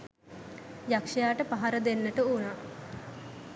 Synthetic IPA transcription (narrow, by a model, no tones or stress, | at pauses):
jakʂɐjaːʈəpaɦaɾəd̪enːəʈəuna